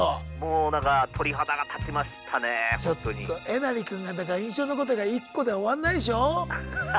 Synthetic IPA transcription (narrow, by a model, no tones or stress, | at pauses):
moːnãŋkat̪ʰo̞ɾʲiɦat̪aɡat̪ʰat͡ɕimaɕi̥t̪ʰanet͡ɕo̞t̪oɲiːo̞ʔe̞naɾʲikɯ̟̃ŋɡad̪akaɾaĩɰ̃ɕo̞ːno̞ko̞t̪̬o̞ɡaikːo̞d̪eoβanːaiɕ̬o̞